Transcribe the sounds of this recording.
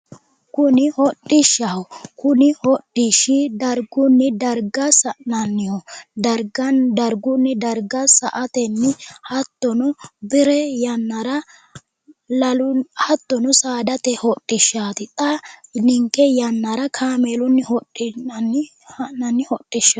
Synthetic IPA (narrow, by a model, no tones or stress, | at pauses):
kʊnɪhɔtʼːɪʃːɐhɔkʊnɪhɔtʼːɪʃɪd̪ɐɾɡʊnːɪd̪ɐɾɡɐsɐʔnɐnːɪjɔd̪ɐɾɡɐd̪ɐɾɡʊnːɪd̪ɐɾɡɐsɐʔɐt̪ɛnːɪhɐt̪ːɔnʊbɪɾɛjɐnːɐɾɐ | lɐlʊhɐt̪ːɔnʊsaːd̪ɐt̪ɛhɔtʼːɪʃːaːt̪ɪt̪ʼɐnɪŋkʼːɛjɐnːɐɾɐkʰaːmeːlʊnːɪhɔtːɪn | ɐnɐnːɪhɔtʼːɪʃːɐ